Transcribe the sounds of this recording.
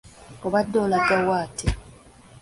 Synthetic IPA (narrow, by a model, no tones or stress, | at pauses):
oβadːolatːawaːtʰe